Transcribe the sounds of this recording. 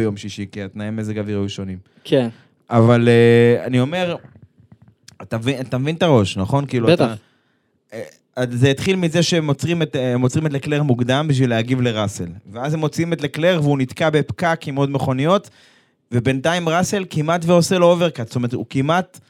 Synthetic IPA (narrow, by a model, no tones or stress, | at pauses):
jo̞mʃiʃikiat̪naemezeɡaviʁjuʃo̞nim | ken | ʔavalea̰nio̞me̞ʁ | at̪avinat̪amevint̪aʁo̞ʃnaχo̞nkiːluata | e | azeit̪χilmize̞ʃeemot͡sʁimetmːo̞t͡sʁimetlekle̞ʁmuɡd̪ambiʃ̬vilehaɡivle̞ʁasḛlveazhemːo̞t͡siimetlekle̞ʁveunit̪kabepkakimo̞d̪me̞χo̞nijo̞t | vebentaimʁase̞lkimat̪veo̞selooveʁkastometukimat̪